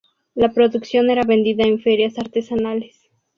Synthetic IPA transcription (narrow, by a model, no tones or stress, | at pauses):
lapɾo̞ðuksjo̞ne̞ɾaβe̞nd̪iðaeɱfeɾjasaɾt̪esanales